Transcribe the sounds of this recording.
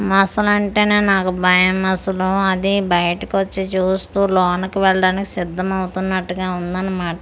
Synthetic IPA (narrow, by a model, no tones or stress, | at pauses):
mɐsɐlɐɳʈe̞ːne̞ːnaːkubʱɐjɐmɐsɐluɐd̪ibɐjɐʈɐkʋɐt͡ʃːit͡ʃuːst̪uːlɔːnɐkuʋɛɭɐɽaːniki̥sid̪ʱːɐmɐwut̪unːɐʈːuɡaːund̪ɐnːɐmaːʈɐ